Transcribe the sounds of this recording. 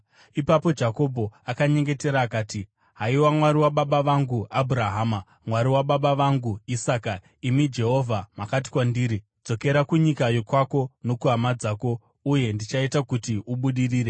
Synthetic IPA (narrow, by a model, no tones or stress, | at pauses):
ipapo̞d͡ʒako̞bʱo̞akaɲe̞ŋɡe̞te̞ɾaːkaːti | ɦaiwamwaɾiwaɓaɓaʋaŋɡuabʱuɾaɦaːma | mwaɾiwaɓaɓaʋaŋɡuisaːka | imid͡ʒe̞ɦo̞vʱamakat̬i̥kwandiːɾi | d͡zo̞ke̞ɾakuɲikajokwako̞no̞kuɦamad͡zaːko̞ | uje̞ndit͡ʃaitakutiʔuɓuɗiriːɾe̞